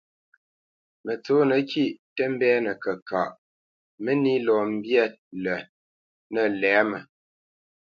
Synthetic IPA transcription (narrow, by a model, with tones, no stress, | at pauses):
mə˨t͡so˨˦nə˨˦kʰi˦˨ʔtə˦m˦bɛ˦nə˨kə˨kʰa̰˨ʔ | mə˦ni˦lɔ˨m̩˦bjɛ˦lə˨ | nə˨lɛː˨˦mə˨